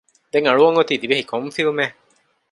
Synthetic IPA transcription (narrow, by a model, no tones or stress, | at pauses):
d̪eŋɐɭuʋɐŋɡot̪iːd̪ibehikʰoɱfiumeː